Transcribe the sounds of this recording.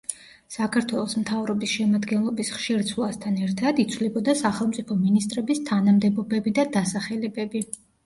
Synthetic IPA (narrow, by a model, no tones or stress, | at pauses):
sakʰaɾt̪ʰwɛlˠɔsmt̪ʰavɾɔbisʃɛmad̪ɡɛnlˠɔbisχʃiɾt̪sʰulˠast̪ʰanɛɾt̪ʰad̪it̪sʰvlɛbɔd̪asaχɛlˠmt̪sʼipʰɔminist̪ʼɾɛbist̪ʰanamd̪ɛbɔbɛbid̪ad̪asaχɛlɛbɛbi